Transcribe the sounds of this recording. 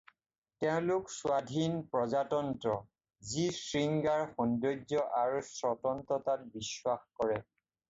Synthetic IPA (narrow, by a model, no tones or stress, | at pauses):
tɛʊ̃lʊkswadʱinpɹɔzatɔntɹɔ | zisɹiŋɡaɹxɔndod͡ʒɔʔaɹusɹɔtɔntɔtat̚biswaxkɔɹɛ